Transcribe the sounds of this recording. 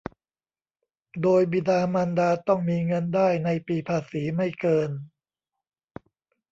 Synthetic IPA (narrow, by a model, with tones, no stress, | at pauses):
doː˧jbi˧˩daː˧maː˧ndaː˧t̪ɔ˥˩ŋmiː˧ŋɤ˧ndaː˥˩jna˧jpiː˨˩pʰaː˧siː˩˦ma˥˩jkɤː˧n